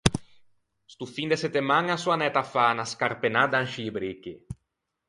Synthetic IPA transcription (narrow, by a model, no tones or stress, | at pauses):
st̪ufind̪esɛt̪emaŋasuanɛt̪afanaskarpenad̪aŋʃibɾiki